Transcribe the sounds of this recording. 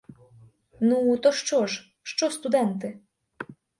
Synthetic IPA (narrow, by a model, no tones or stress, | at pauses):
nut̪ɔʂt͡ʂɔʂ | ʂt͡ʂɔst̪ud̪ɛnt̪ɘ